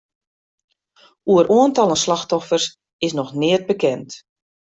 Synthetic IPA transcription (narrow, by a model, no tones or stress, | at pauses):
uəɾʔuəntɑlˠənslaxtɔfərs | ɪsnɔxnɪət̚bəkɛnt